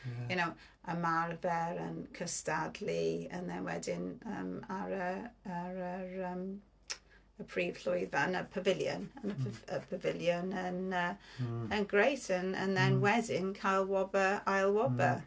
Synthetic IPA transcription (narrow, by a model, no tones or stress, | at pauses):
junow | əmarvɛɾənkʰəstadliə̰nðɛnwɛ̰dɪnəmaɾəəɾəɾəm | əpʰriːv̥ɬʊjðanəpʰəvɪlˠjə̰nənəpʰəpʰəvɪlˠjənənəənɡrejtʰənə̰nðɛnwɛdɪnkʰajlˠwɔbəajlˠwɔbə